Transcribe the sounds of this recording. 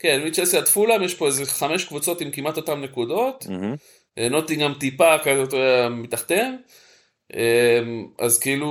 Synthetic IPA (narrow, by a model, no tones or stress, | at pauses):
ke̞nmit͡ʃesiat̪fulamjeʃpo̞ezeχame̞ʃkvut͡so̞t̪imkimat̪o̞tamne̞kud̪o̞t̪ | eno̞t̪iɡamt̪ipakazot̪oeamit̪aχt̪e̞m | ʔema̰zkeilu